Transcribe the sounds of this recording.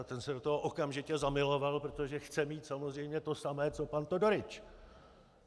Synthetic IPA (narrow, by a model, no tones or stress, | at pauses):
t̪ɛnsɛdot̪oɦoʔokamʒɪcɛzamɪlo̞valpɾot̪o̞ʒɛxt͡sɛmiːt̪samozr̝ɛjmɲɛt̪o̞samɛːt͡so̞pant̪odo̞ɾɪt͡ʃ